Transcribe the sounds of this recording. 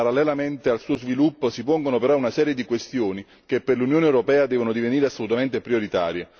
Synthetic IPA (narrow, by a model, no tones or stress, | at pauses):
paɾalːɛlament̪ealsuːozvilupːosipoŋɡonopeɾɔunasɛːɾjed̪ikwest̪joːni | k̟epːerlunjoːnewɾopɛːad̪ɛːvonod̪iveniːɾeasːolut̪ament̪epɾioɾit̪a̰ːɾje